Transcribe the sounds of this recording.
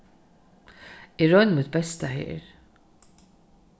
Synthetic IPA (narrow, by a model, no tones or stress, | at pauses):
ɪɾɔjnmut̪̚bɛst̪ɐħɪ̰ːɾ